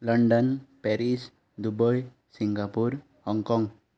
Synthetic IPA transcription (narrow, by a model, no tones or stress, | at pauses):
ləɳɖənpɛɾis | d̪ubəj | siŋɡapuɾ | hɔŋkɔŋɡ